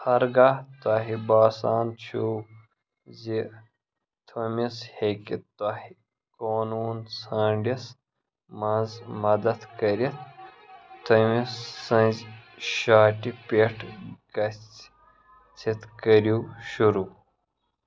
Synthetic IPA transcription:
hɐɾɡaːt̪waɦibaːsaːnt͡ɕʰu | zi | t̪ʰomishekit̪ahi | koːnuːnsaːɳɖis | mɐnzmɐd̪ɐt̪kɐɾit̪̚ | t̪ʰomisːɐ̃nzʃaːʈipeʈʰɡ̥ɐt͡s | t͡sʰit̪kɐɾuɕuɾuː

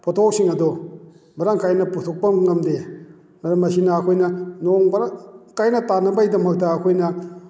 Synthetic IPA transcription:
pʰotʰok̚siŋɐdo | bɐɾaŋkajnɐputʰok̚pɐŋɐmde | mɐɾɐmːɐsinɐːkʰojnɐnoŋbɐɾakajnɐtanɐbɐjdɐmɐk̚tɐːkʰojnɐ

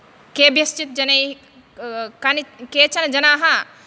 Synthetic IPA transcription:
kebjɐst͡ʃit̪̚d͡ʒɐnɐj | kɐnket͡ʃʰɐnd͡ʒɐnaːɦã

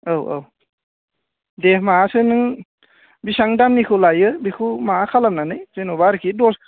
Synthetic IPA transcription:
awa̰w | dehmaasɯnɯŋ | bisaŋdamnikʰɯlajɯbikʰumaakʰalamnanɯjz̥ɯnobaɾkʰidɔs

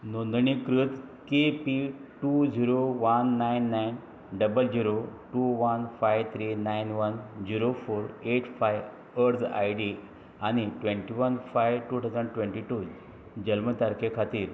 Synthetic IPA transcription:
nond̪ɳikɾut̪kepiʈud͡ʑiɾoʋənːajnːajn | ɖəbəld͡ʑiɾoʈuʋənfajʋt̪ʰɾinajnʋənd͡ʑiɾofoɾeʈfajʋ | əɾd͡za̰jɖi | añiʈʋẽɳʈiʋənfajʋʈut̪ʰad͡zəɳɖʈʋẽɳʈiʈu | d͡ʑəlmət̪aɾkʰekʰat̪iːɾ

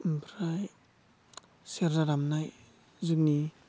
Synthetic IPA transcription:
bɾaj | seɾɾaɾamnaj | zuk̚ni

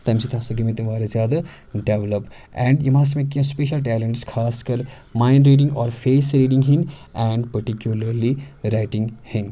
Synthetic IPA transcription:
t̪ɐmsit̪ʰaːsɐɡimẽt̪iʋaːɾɐzjaːd̪a | ɖeʋləp | ɛ̃ːɳɖjimãːs̬mẽkːiɐ̃speːʃəlʈ̬ɛːlẽɳʈskʰaːskɐɾ | maːɪnɖɾiːɖĩŋɡɔːɾfʰeːsɾiːɖĩŋɡɦin | ɛːɳɖpɐɾʈikjulɐɾliɾaɪʈɪ̃ŋɡhɪn

